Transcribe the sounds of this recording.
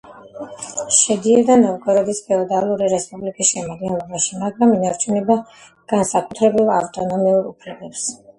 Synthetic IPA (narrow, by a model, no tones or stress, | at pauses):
ʃɛd̪iɛd̪anɔvɡʼɔɾɔd̪ispʰɛɔd̪alˠuɾiɾɛspʼublikʼisʃɛmad̪ɡɛnlˠɔbaʃimaɡɾaminaɾt͡ʃʰunɛba | ɡ̥ansakʼut̪ʰɾɛbilˠa̰ft̪ʼɔnɔmiuɾupʰlɛbɛps